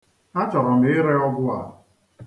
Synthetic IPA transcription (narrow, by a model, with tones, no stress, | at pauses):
a˦t͡ʃɔ˨ɾɔ˨m̩e˨ɪ˦ɾe˦ɔ˦ɡʊ˦a̰˨